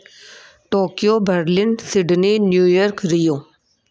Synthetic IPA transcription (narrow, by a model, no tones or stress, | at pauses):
ʈoːkijoːbəɾlɪnsɪɖninjuːjɔɾkɾijoː